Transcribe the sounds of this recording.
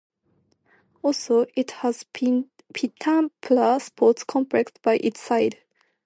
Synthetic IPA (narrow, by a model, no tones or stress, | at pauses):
ɔlsoɪthəz̥n | pʰitʰãmpʰləspʰɔˑtskʰɔ̃mpʰɹɛktb̥aɪʔɪtsaɪd